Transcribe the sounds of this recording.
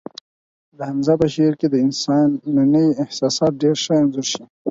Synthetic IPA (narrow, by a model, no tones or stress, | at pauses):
d̪əhamzapəʃeɾked̪əɪnsɑnːanəjɪhsɑːsɑːt̪̚ɖeɾʃaanzʊɾʃi